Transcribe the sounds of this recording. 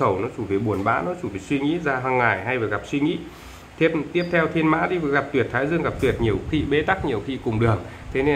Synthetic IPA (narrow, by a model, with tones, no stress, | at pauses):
ə˧˩wnɔ˨˦t͡ɕu˧˩veː˨˩ɓu˨˩ənɓa̰ː˧˥nɔ˨˦t͡ɕu˧˩ve˨˩jswi˧ŋḭ˧˥zaː˧ɦaː˧ŋːaː˧˩jɦa˧jvəː˨˩jɣa˨˩p̚swi˧ŋḭ˧˥ | t̪ʰi˧˥əp̚t̪i˦˥əp̚t̪ʰɛ˧wt̪ʰi˧ənma̰ː˧˥ɗi˧vɣa˨˩p̚t̪wi˨˩ət̚t̪ʰaː˨˦jzɨ˧əŋɣa˨˩p̚t̪wi˨˩ət̚ɲi˨˩əwxḭ˧ɓe˨˦t̪a˦˥k̚ɲi˨˩əwxḭ˧kʊ˨˩ŋ͡mɗɨ˨˩əŋ | t̪ʰe˨˦ne˧